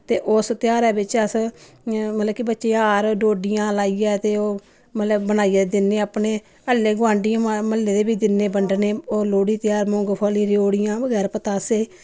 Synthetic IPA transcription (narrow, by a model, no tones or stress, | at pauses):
t̪eːʔʊst̪ɪjaːɾɛːbɪt͡ʃəs | mət̪ləb̚kibətːʃeːãaːɾɖoːɖɪjãːlaːiːɛːt̪eːoː | mət̪ləbːənaːiːɛːd̪ɪnːeːapneː | əlːeːɡʊʋãːɳɖɪjãːməlːeːd̪eːbiːd̪ɪnːeːbəɳɖneːoːloːɽiːt̪jaːɾmõːŋɡpʰaːliːɾoːɽɪjãːbəɡɛːɾpət̪aːseː